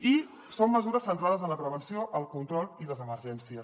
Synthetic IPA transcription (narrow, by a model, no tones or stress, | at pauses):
i | somːəzuɾəsːənt̪ɾaðəzənləpɾəβənsioʔəlˠkunt̪ɾɔlˠiləzəməɾʒɛnsiəs